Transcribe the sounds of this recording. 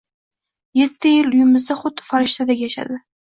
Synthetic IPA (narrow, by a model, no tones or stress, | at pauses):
jet̪ʰːɪjɪlʊjɪmɪzd̪aχʊd̪ːɪ̥faɾɪʃt̪ʰad̪akʲjaʃa̰d̪ɪ